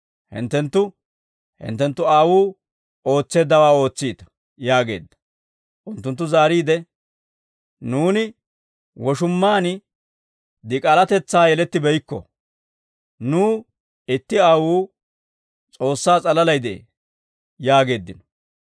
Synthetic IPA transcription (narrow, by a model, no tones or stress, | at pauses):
hɪ̰nt̪ːɛnt̪ːʊ | hɪ̰nt̪ːɛnt̪ːʊaːwuː | o̞ːt͡sːe̞ːd̪ːɐwaːo̞ːt͡sːiːt̪ɐ̥ | jaːɡe̞̰ːd̪ːɐ̥ | ʔʊnt̪ːʊnt̪ːʊzaːɾiːd̪ɛ | nuːnɪ | wɔʃʊmːaːn | d̪ɪkʼɐlɐt̪ɛt͡sːaːjɛlɛt̪ːɪbɛjkːɔ̰ | nuː | ɪt̪ːɪaːwuː | t͡sʼo̞ːsːaːt͡sʼɐlɐlɐjd̪ɛʔḛ | jaːɡe̞ːd̪ːɪnɔ̥